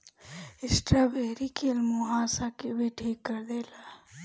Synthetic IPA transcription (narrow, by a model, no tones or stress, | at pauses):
ɪsʈɾaːbʱeːɾikʰelmʊɦaːsakebeʈʰeːkːɐɾd̪eːlaː